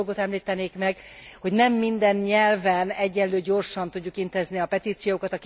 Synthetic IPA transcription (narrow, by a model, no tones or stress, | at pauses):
ɡo̞t̪ɛmliːt̪ɛneːkmɛɡho̞ɟnɛmːind̪ɛnɲɛlvɛnɛɟːɛnløːɟo̞rʃɒnt̪uɟːukint̪eːzniɒpɛt̪iːt̪sijoːkɒt̪ɒk